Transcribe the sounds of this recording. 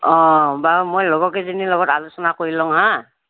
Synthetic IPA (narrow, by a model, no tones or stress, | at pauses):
ɔ̃bamojlɔɡɔkɛzinilɔɡɔtalusɔnakoɹilɔŋɦã